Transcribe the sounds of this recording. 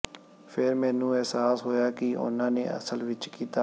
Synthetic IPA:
pʰɪɾmɛ̃ːnũːɛːsaːsɦoːjaːkɪʔʊ̰nãːnḛːə̰səlʋɪt͡ʃkiːt̪aː

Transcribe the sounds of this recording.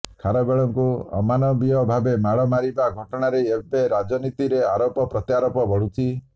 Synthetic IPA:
kʰaɾɔbeɭɔŋkuɔ̰manɔbijɔbʱabemaɭɔmaɾibaɡʱɔʈɔɽ̃aɾeebeɾad͡ʒɔnit̪iɾeaɾopɔpɾɔt̪jaɾopɔbɔɽut͡ʃʰi

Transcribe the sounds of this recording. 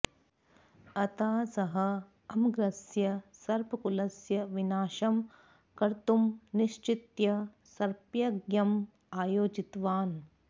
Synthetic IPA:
ɐt̪aːsɐɦɐ | ɐmɡɾɐsjɐsɐɾpɐkulɐsjɐʋinaːʃɐm | kɐɾt̪umniʃt͡ʃit̪jɐ | sɐɾpjɐɡjɐm | aːjoːd͡ʒit̪ʋaːn

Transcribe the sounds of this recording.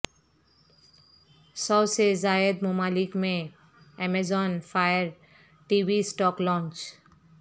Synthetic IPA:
sɔwsezaed̪momalikmẽ | ɛmazɔnfajaɾ | ʈibʱisʈɔklɔnt͡ʃ

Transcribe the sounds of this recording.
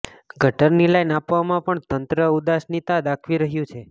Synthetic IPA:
ɡʱəʈəɾnilajnapʋamãpəɳt̪ənt̪ɾəud̪asnit̪ad̪akʰʋiɾəɦjũt͡ʃʰe

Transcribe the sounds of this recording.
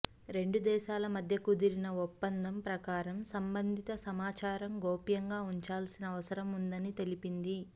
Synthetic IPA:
ɾe̞ɳɖud̪ɛːʃaːlɐmɐd̪ʱjɐkud̪iɾinɐupːɐnd̪ʱɐmpɾɐkaːɾɐmsɐmbɐnd̪ʱit̪ɐsɐmaːt͡ʃaːɾɐmɡoːpjɐŋɡaːuɲt͡ʃaːlsinɐːʋɐsɐɾɐmund̪ɐnit̪e̞lipind̪i

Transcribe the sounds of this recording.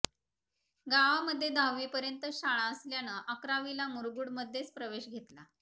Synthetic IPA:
ɡaʋaməd̪ʱːjed̪ʱawʋiːpəɾjənt̪əɕaɭaəsljanəʔəkɾaʋilamuɾɡuːɽməd̪ʱːjet͡spɾəʋeɕɡʱet̪la

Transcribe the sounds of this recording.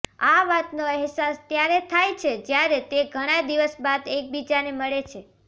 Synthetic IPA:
aʋat̪noɛɦsast̪jaɾet̪ʰajt͡ʃʰed͡ʒjaɾet̪eɡʱəɽ̃ad̪iʋəsbad̪ek̚bid͡ʒaneməɭet͡ʃʰe

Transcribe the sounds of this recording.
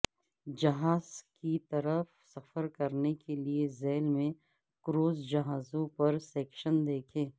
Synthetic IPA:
d͡ʒɐɦaːzkit̪ɐɾəf | sɐfəɾkɐɾnekeliezɛːlmẽ | kɾoːzd͡ʒɐɦaːzõpɐɾsɛːkʃənd̪eːkʰẽː

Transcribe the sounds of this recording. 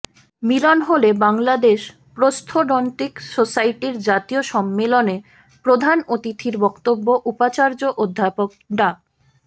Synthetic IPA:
milonɦolebaŋlad̪eʃ | pɾost̪ʰoɖɔnʈ̪iksosaiʈiɾd͡ʑat̪ioʃɔmːelone | pɾod̪ʱanot̪it̪ʰiɾbɔkt̪obːoʔupat͡ɕaɾd͡ʑoʔod̪ʱːapok̚ɖa

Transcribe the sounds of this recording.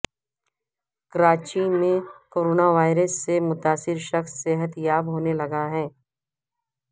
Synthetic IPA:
kɐɾaːt͡ʃiːnmẽkoːɾoːnaʋaːɪɾəsːemʊt̪aːsɪɾʃɐxsːeɦət̪jaːbɦoːnelɐɡaɦɛː

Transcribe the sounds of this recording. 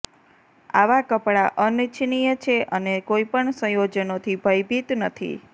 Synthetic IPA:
a̰ʋakəpɽaʔənit͡ʃʰnijət͡ʃʰeʔənekoipəɳsə̃jod͡ʒənot̪ʰibʱəjbʱit̪nət̪ʰḭ

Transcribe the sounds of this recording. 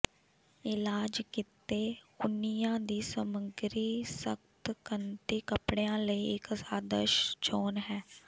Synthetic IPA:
ɪlaːd͡ʒkɪt̪eːʊnijãːd̪iːsəməɡɾiːsə̰kt̪kənt̪iːkəpɽeːãːləiːɪkəsaːd̪ə̰ʃt͡ʃoːnɦɛː

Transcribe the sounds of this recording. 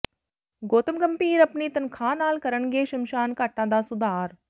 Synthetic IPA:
ɡoːt̪əmɡɐmpiːɾɐpniːt̪ɐnkʰãːnaːlkɐɾənɡeːʃɐmʃaːnkaːʈãːnd̪aːsʊd̪aːɾ

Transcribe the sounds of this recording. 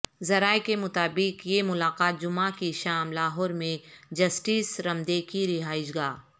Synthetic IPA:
zɐɾaːekemʊt̪aːbɪqjemʊlaːqaːt̪̚d͡ʒʊmãkiʃaːmlaːɦɔːɾmẽd͡ʒɐsʈiːsɾɐmd̪ekiɾɪɦaːɪʃɡaː

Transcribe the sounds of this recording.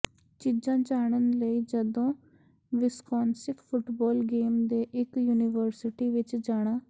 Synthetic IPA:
t͡ʃiːd͡ʒãːd͡ʒaːɳ̃ənləiːd͡ʒəd̪õː | ʋɪskɔːnsɪkpʰʊʈbɔːlɡeːmd̪eːʔɪkjuːnɪʋəɾsɪʈiːʋɪt͡ʃd͡ʒaːɽ̃ãː

